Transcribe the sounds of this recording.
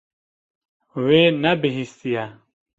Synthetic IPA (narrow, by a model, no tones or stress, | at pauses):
weːnɛbɪɦist̪ijɛ